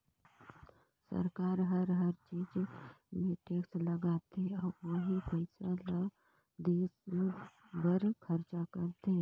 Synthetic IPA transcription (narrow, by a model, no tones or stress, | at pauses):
sə̰ɾkaːɾɦəɾɦəɾt͡ʃiːd͡ʒmẽʈeːksləɡaːt̪ɔːɾʋoɦipəɪsalə | d̪eːs | bəɾkʰəɾt͡ʃakəɾt̪e